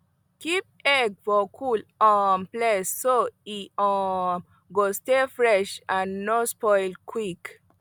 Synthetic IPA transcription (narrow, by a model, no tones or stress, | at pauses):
kip̚ɛɡ̚fɔkʰulɔ̃mplɛsːoiɔm | ɡost̪efɾɛʃanːospɔjlkʰwik